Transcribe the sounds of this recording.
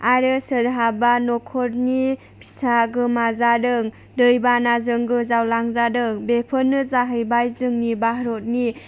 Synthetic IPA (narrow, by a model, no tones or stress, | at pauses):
aɾɯsɯdɦabanɔkʰɔɾni | bʰisaɡɯmazadɯŋ | dɯjbanazɯŋɡɯzawlaŋzadɯŋbepʰɯnːɯzaɦɯjbajzɯŋnibaɦɾot̚ni